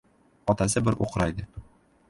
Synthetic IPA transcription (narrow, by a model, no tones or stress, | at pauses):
ɒt̪ɑs̬ɤbɘɾʔṵqɤɾɑjd̪ɤ